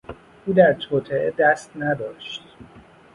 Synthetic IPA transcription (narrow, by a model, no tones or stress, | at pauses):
ʔuːd̪æɾt̪ʰoːt̪ʰeed̪æst̪næd̪ɒːʃt̪̚